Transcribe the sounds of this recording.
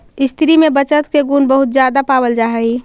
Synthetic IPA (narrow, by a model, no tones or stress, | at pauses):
ɪst̪ʰɾimẽbət͡ʃət̪keɡuːnbəɦʊt̪̚d͡ʒjaːd̪apaːbəld͡ʒaːɦɛi